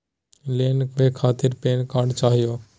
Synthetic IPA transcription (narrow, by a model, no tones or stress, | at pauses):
leːnʋeːkʰaːt̪ɪɾpeːnkaːɖt͡ʃaːɦɪjoː